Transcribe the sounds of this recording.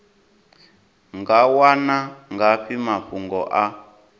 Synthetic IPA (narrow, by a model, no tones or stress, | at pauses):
ŋɡawanaŋɡaɸimaɸuŋɡɔʔa